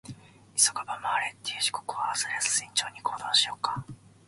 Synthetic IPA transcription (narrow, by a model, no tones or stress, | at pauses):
isokabamaːɾet̪ːeɯ̟ʑi̥kokɯβaːzaɾʲasɨ̥ĩɲt͡ɕo̞ːɲ̟ikʰoːd̪ãɕijo̞kːḁ